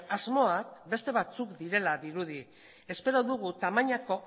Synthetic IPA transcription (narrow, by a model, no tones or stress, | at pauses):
azmo̞akbe̞st̪e̞β̞at͡sukd̪iɾe̞laðiɾuð̞i | e̞spe̞ɾo̞ðuɣ̞ut̪amaɲako̞